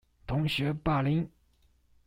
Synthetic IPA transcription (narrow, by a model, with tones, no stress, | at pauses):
t̪ʰʊ˧˥ŋɕɥɛ˧˥pa˥˩li˧˥n